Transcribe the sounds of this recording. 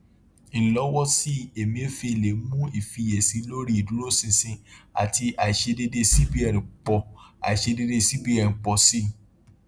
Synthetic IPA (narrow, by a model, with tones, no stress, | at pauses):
i˨lɔ˨˦wɔ˦si˦e˨mĩ˦e˦fi˧i˨le˨˦mũ˦i˦˨fi˧je˨sĩ˨˧˦lo˦ɾi˦i˨du˨˦ɾo˦sĩ˧sĩ˧a̰˨ti˧a˨i˨ʃe˧de˧de˧˦si˦bi˦ɛ˨ɾĩ˨k͡pɔ˨˧a̰˨i˨ʃe˧de˧de˦si˦bi˦ɛ˨nĩ˨k͡pɔ˨si˦